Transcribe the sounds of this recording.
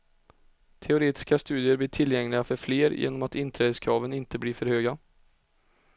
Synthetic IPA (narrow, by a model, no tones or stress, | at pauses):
t̪ʰɛʊɾeːt̪ɪ̥skast̪ʉːd̪ɪəɾb̪ɪːʈʰɪljɛŋlɪɡafœɾfleːɾjʔḛːnɔmat̪ɪnt̪ʰɾɛːd̪əskʰɾɑːvənɪnt̪əbliːfœɾhøːɡa